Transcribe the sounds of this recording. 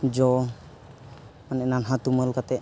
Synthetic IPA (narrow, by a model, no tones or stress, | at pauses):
d͡ʒɔ | manɛnanɦat̪uməlkat̪ɛ